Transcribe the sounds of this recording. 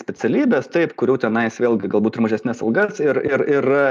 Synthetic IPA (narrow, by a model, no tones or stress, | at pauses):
sʲpʲɛtsʲɛlʲiːbʲɛst̪ɐɪpkʊɾʲuʊt̪ʲɛnɐɪsʋʲeːlʲˠɡʲɪɡɐlˠbuːt̪ɪɾmɐʒʲɛsʲnʲɛsɐlˠɡɐsɪɾɪɾɪr